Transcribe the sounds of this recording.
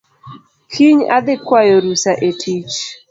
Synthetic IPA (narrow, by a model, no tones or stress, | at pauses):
kʰiɲa̰d̪ɪkwajoɾusaʔetʰit͡ʃ